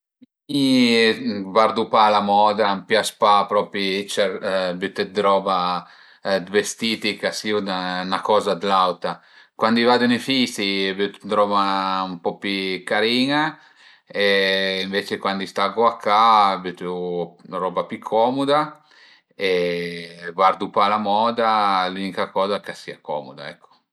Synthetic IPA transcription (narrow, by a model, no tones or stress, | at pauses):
i | vaɾd̪upalamɔd̪ɾampjaspapɾɔːpit͡ʃɛbyt̪ːɛd̪ɾɔba | d̪vest̪iːt̪ikasiuanakɔːzad̪lawt̪a | kwand̪ivad̪unefist̪ibyt̪d̪ɾɔbaumpɔpikaɾiːŋa | eiɱveːt͡ʃekwand̪ist̪aɡoakːabyt̪ | ɾɔːbapykʰːɔːmud̪a | e | vard̪upalamɔːd̪alunikakɔːzakasiːakɔ̰ːmod̪a̰ɛ̰kʰːo̥